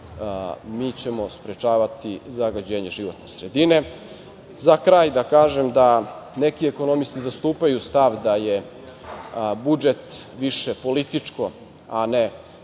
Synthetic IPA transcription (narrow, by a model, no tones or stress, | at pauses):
miːt͡ɕe̞mo̞spɾet͡ʃaːʋat̪izaɡad͡ʑeːɲeʒiʋo̞t̪nesɾed̪ine̞ | zakɾaːjd̪akaːʒemd̪ane̞kieko̞nomist̪izast̪uːpajust̪aʋd̪aje | bud͡ʒe̞t̪ʋiʃepo̞lit̪it͡ʂko̞ | ane